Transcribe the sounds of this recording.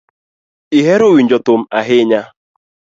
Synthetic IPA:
iɦeɾowiɲ̩d͡ʒɔtʊm̩aɦɪɲa

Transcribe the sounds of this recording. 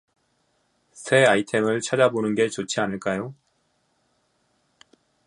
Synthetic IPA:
sʰe̞aitʰe̞mɯɭt͡ɕʰad͡ʑabonɯnɡe̞t͡ɕot͡ɕʰianɯɭk͈ajo

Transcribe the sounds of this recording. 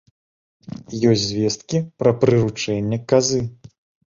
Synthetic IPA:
jɔsʲzʲvʲɛst̪kʲipɾɐpɾɨɾut͡ʂɛnʲːɐkazɨ

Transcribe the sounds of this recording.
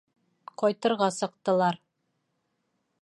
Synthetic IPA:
qɒjt̪ɤ̆ɾʁɑsɤ̆q̚t̪ɤ̆lˠɑɾ

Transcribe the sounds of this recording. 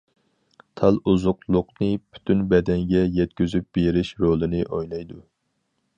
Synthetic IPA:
t̪ʰɑlˠuzʊqlˠʊqnɨpʰy̥t̪ʰynbɛd̪ɛŋɡʲɛjɛt̪̚kʲyzyp̚b̥eɾɪʃɾolˠɨnɨʔojlˠɑjd̪u

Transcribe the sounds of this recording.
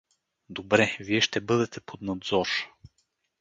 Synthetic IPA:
d̪obɾɛviɛʃt̪ɛbɤd̪ɛt̪ɛpʰod̪nad̪zɔɾ

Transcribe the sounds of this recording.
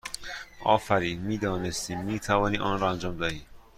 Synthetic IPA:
ʔɒ̰ːfæɾiːd̪miːd̪ɒːnest̪iːmiːt̪ʰævɒːniːʔɒːnɾɔːænd͡ʒɒːmd̪ɒːhiː

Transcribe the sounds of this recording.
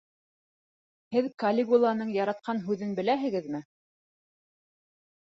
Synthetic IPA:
hɘðkɐlʲɪɡulˠɑnɤɴjɑɾɑt̪̚qɑnɦʉðɘnbɘ̆læɦɘ̆ɡɘðmɘ

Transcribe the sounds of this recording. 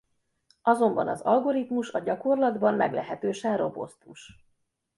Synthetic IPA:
ɒzo̞mbɒnɒ̰zɒlɡo̞ɾit̪muʃɒɟɒko̞rlɒd̪bɒmmɛɡlɛɦɛt̪øːʃɛnro̞bo̞̰st̪uʃ

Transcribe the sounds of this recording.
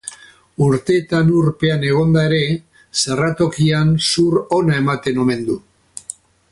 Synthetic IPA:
uɾt̪e̞ːt̪anuɾpe̞ane̞ɣ̞o̞nd̪ae̞ɾe̞ | serat̪o̞kiansuɾo̞nae̞mat̪e̞no̞me̞nd̪u

